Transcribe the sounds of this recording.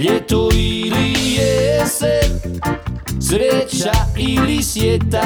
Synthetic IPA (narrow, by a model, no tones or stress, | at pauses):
et̪oiliese | sɾet͡ʃailisjet̪a